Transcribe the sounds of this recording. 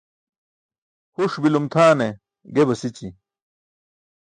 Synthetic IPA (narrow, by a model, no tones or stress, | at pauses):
huʂbilumt̪ʰaːne | ɡebɐsit͡ɕi